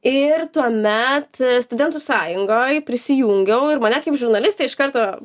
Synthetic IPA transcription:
ɪrt̪uɔmʲɛt̪st̪ʊd̪ʲɛnt̪usɑːjʊŋɡoːjpʲɾʲɪsʲɪjuːŋʲɡʲɛʊɪɾmɐnʲɛkɐɪpʒʊɾnɐlʲɪst̪eɪɪʃkɐɾt̪oː

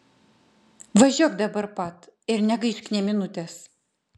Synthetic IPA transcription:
ʋɐʒʲoːkd̪ɐbɐɾpɐt̪ɪɾnʲɛɡɐɪʃʲkʲnʲɛmʲɪnʊt̪ʲes

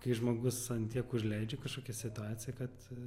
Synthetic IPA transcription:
kɐɪʒmoːɡʊsɐnt̪ʲiɛkʊʒʲlʲɛɪd͡ʒʲekɐʃkoːkʲɛsʲɪt̪ʊɑːtt͡ssʲɪjɛkɐt̪

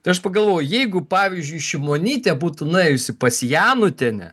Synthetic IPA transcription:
t̪ɐɪɐʃpɐɡɐlˠʋoːjʊjɛɪɡʊpɑːʋʲizʲd͡ʒʲʊɪʃʲɪmoːnʲiːt̪ʲɛbuːt̪ʊnʊɛɪjʊsʲɪpɐsʲjæːnʊt̪ʲɛnʲɛ̰

